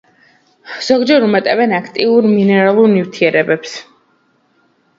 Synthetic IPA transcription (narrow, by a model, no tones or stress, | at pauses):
z̥ɔɡd͡ʒɛɾumɛt̪ʼɛvɛnakʰt̪ʼiuɾminɛɾalˠuɾnift̪ʰiɛɾɛbɛps